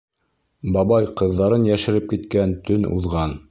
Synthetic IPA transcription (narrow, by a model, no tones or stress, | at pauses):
bɑβɑjqɤ̆ðːɑɾɤnjæʃɘ̆ɾɘp̚kit̪kænt̪ʰɵnṵðʁɑn